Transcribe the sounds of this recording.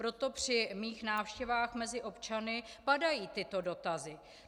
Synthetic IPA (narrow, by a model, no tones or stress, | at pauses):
pɾo̞t̪o̞pr̝̥ɪmiːxnaːfʃcɛvaːxmɛzɪʔo̞pt͡ʃanɪpadajiːt̪ɪt̪o̞do̞t̪azɪ